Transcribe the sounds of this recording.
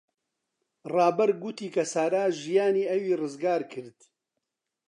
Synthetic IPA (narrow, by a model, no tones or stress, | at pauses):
rɑːbɐɾɡut̪iːkʰɐsaːɾaːʒijaːniːɐwiːrɨzɡaːɾkʰɨɾd̪